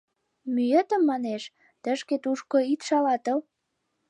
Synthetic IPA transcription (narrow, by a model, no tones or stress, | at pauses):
myjət̪ə̆mːɑneʃ | t̪ə̆ʃket̪uʃkoit̪ʃɑlɑt̪əl